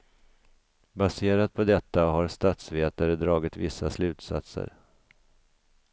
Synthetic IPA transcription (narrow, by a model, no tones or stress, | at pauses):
baseːɾat̪̚pʰɔd̪ɛt̪ːaɦaɾst̪at̪sveːt̪aɾəd̪ɾɑːɡɪt̪vɪsːaslʉ̟ːt̪sa̰t̪sə̰ɾ